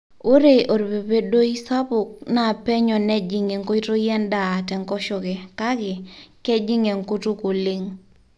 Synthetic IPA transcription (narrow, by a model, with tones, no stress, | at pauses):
o˦ɾe˦ʔo˨ɾbe˨be˦do˦i˦sa˦pʊ˨k̚na˦˨pɛ˦ɲɔ˨nɛ˦d͡ʒi˨ŋe˨ŋko˦i˦to˦jɛ˦nda˨tɛ˨ŋkɔ˦ʃɔ˨ɡɛ˨ka˦ɡɪ˨kɛ˦d͡ʒi˦ŋe˨ŋko˦tu˦ko˨li˦ŋ